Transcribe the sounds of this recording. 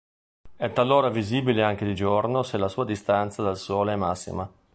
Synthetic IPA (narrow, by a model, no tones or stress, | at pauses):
ɛt̪ːalːoːɾaviziːbileaŋk̟ed̪id͡ʒornoselasuːad̪ist̪ant̪sad̪alsɔːleɛmːasːḭma